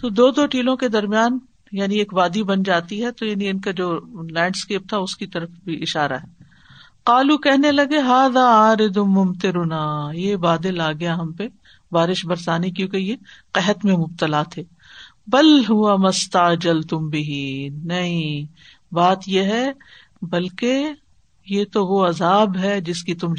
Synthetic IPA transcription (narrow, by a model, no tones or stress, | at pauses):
t̪oːd̪oːd̪oːʈiːlõked̪ɐɾmijaːn | jaːnieːkbaːd̪ibɐnd͡ʒaːt̪iɦɛt̪ojaːniɪnkad͡ʒoːlɛ̃ːɳɖskeːp̚t̪ʰaʊskit̪ɐɾəfbʱiʔɪʃaːɾa̰ɦɛː | qaːlukɛɦnelɐɡeɦaːðaːaːɾɪd̪ʊmːʊmt̪ɪɾʊnaːjebaːd̪ɪlaːɡɐjaɦɐmpe | baːɾɪʃbɐɾsaːnekjõːkejeqɛɦət̪mẽmʊb̚t̪əlaːt̪ʰeː | bɐlɦʊwɐmɐst̪ɐd͡ʒɐlt̪ʊmbɪɦiːnɐɦĩ | baːt̪jeɦɛ | bɐlke | jet̪oʋoɐzaːbɦɛd͡ʒɪskit̪ʊm